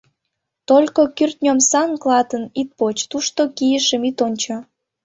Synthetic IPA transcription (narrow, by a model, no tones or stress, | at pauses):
t̪olʲkokyrt̪̚ʲnʲomsɑnklɑt̪ənit̪̚pot͡ɕt̪uʃt̪okijəʃəmit̪onʲt͡ɕo